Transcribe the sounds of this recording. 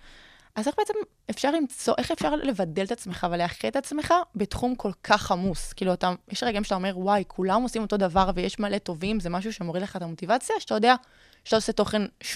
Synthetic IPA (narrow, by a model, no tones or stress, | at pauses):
ʔazeχbeet͡sem | efʃaʁlimt͡so̞ʔeχefʃaʁle̞vadelet̪at͡sme̞χaveleaχet̪at͡sme̞χabet̪χumkʰo̞lkʰaχamuskiːluatajeʃʁeɡeimeatao̞me̞ʁwajkʰulamosimo̞t̪o̞d̪avaʁvejeʃmale̞to̞vimzemaʃ̬uʃe̞mo̞ʁidleχat̪amo̞t̪ivat͡sjaʃeatajod̪ea | ʃet̪aoseto̞χe̞nʃ